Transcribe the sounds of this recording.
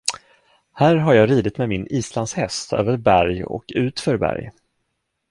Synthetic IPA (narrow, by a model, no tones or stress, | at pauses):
hæːɾɦaɾjɑːɾiːd̪ɪt̪mɛmɪniːsland̪shɛst̪ʰø̰ːvəɾbæɾjɔ̰kʉ̟ːt̪fœɾbæ̰ɾj